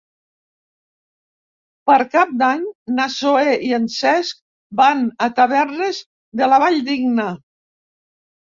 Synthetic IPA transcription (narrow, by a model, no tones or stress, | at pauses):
pəɾkap̚d̪aɲnasoeiənsɛsk̚ | banət̪əβɛrnəz | ðələβaʎd̪iɡnə